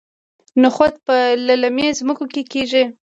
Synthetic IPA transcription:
nʊxot̪̚pəlalamezmʊkokekeʒi

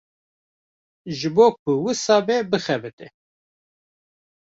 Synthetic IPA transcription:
ʒɨboːk̚ʷʰʊwɨsɑːbɛbɨxɛbɨt̪ɨ

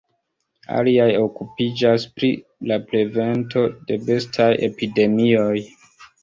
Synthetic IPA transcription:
a̰liajo̞kupid͡ʒaspɾi | laple̞ve̞nto̞de̞be̞stʰaje̞̰pide̞mio̞j

